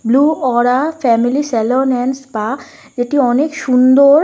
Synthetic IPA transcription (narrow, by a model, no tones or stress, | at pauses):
bluːɔːɾafɛmilisɛləɾnɛ̃ːnspa | d͡ʒet̪iɔnekʃund̪oɾ